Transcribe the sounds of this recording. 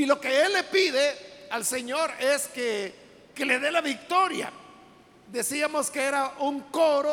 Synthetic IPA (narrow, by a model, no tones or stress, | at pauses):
ilo̞ke̞elːe̞piðealse̞ɲo̞ɾe̞ske | ke̞le̞ðe̞laβik̚t̪o̞ɾja̰ | d̪e̞siamo̞skee̞ɾauŋkoɾo